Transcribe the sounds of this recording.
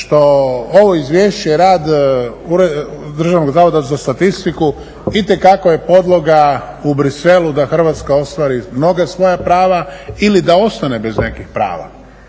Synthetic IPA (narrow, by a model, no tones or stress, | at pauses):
ʃt̪o̞o̞ʋo̞izʋʲjeːʃt͡ɕeɾaːd̪uɾed̪ɾr̩ʒaʋnoɡzaːʋo̞d̪azast̪at̪ist̪iku | it̪e̞kakoje̞po̞d̪lˠo̞ɡa | ubɾise̞lud̪axr̩ʋat̪skao̞st̪ʋaːɾimno̞ɡasʋo̞japɾaːʋailid̪ao̞st̪ane̞be̞znekixpɾa̰ːʋa̰